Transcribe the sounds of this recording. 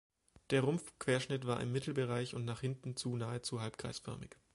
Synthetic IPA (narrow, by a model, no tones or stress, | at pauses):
d̥eːɐʁʊmfkv̥eːɐʃnɪtv̥aːɐʔɪ̰mːɪtʰl̩bəʁaɪçʊntnaːχhɪntn̩t͡suːnaːət͡suhalp̚kʁ̥a̰ɪsfœ̰ɐmɪk